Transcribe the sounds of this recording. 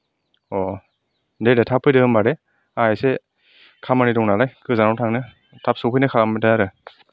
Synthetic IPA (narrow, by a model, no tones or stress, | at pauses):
ɔ | dedetʰapʰːɯjdɯɯmbaɾe | ajse | kʰamanidɔŋnalajkʰɯzanawtʰaŋnɯ | tʰap̚sɯpʰɯjnɯkʰamɯtajaɾɯ